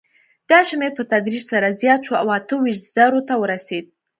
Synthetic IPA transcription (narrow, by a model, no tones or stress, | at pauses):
d̪̥ɑʃmeɾpət̪ad̪ɾiʃsaɾazjɑt̪ʃua̰wat̪əwiʃt̪z̥aɾot̪awəɾased̪̚